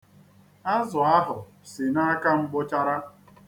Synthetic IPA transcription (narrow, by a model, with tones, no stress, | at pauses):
a˦zʊ˨a˦ɦʊ˨ | sɪ˨na˦ka˦ŋ͡m̩˦ɡ͡bʊ˦t͡ʃa˦ɾa˦